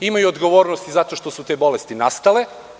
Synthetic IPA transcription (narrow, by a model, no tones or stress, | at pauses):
imajuod̪ɡo̞ʋo̞ːɾnost̪izat̪o̞ʃt̪o̞sut̪e̞bo̞lest̪inast̪ale̞